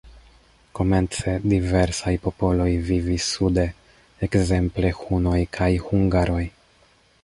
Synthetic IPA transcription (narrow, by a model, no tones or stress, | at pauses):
ko̞me̞nt͡se̞dive̞ɾsajpo̞po̞lo̞jvivisude̞ | ekze̞mple̞xuno̞jkʰajhuŋɡaɾo̞j